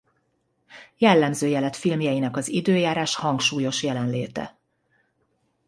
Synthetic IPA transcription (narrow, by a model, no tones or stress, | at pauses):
jɛlːɛmzøːjɛlɛt̪filmjɛjinɛkɒzid̪øːjaːɾaːʃhɒŋkʃuːjo̞ʃjɛlɛnleːt̪ɛ̰